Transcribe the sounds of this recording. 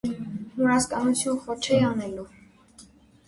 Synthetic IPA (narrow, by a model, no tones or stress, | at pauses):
mɔɾɑskɑnut͡sʰjunχɔt͡ʃʰɛɑnɛlu